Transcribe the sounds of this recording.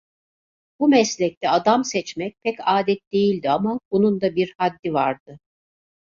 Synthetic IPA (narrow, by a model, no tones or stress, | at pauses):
bumɛslʲɛc̚t̪ʰɛad̪amsɛt͡ʃmɛc̚pʰɛcaːd̪ɛt̪̚d̪e̞jilʲd̪iamabunund̪abiɾhad̪ːivaɾd̪ɯ